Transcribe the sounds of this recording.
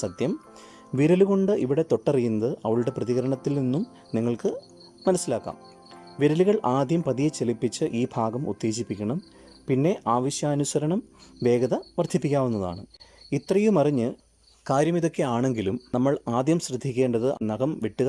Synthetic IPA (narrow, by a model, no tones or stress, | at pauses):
sɐt̪jɐm | ʋiɾɐluɣo̞ɳɖɨʔiʋiɽe̞t̪o̞ʈːɐrijːunːɐðɨʔɐʋɐɭuɽe̞prɐðiɣɐɾɐɳɐt̪ːilninːum | niŋːɐɭkɨ | mɐnɐsːilaːkːa̰ːm | ʋiɾɐliɣɐɭʔaːd̪jɐmpɐðijɐt͡ɕe̞lipːit͡ɕːɨʔiːbʱaːɡɐmṵt̪ːe̞ːɕipːikʲːɐɳɐm | pinːe̞ʔaːʋɐɕjaːnusɐɾɐɳɐmʋe̞ːɡɐðɐʋɐrd̪ʱipːikʲːaːʋunːɐða̰ːɳɨit̪ːrɐjumɐriɲːɨ | kaːɾjɐmiðo̞kːe̞aːɳe̞ŋɡilumnɐmːɐɭaːd̪jɐmsrɨd̪ʱikʲːe̞ːɳɖɐðɨnɐɡɐmʋiʈːuɣ